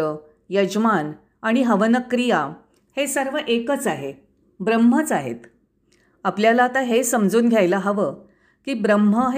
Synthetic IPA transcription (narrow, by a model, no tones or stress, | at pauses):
ə | jəd͡ʑman | aɽ̃iɦəʋənəkːɾija | hesəɾʋəʔekət͡saɦe | bɾəm̤ːət͡saɦḛt̪ | apljalaːt̪aɦesəmd͡zuːnɡʱjajləɦəʋə | kiːbɾəm̤əɦ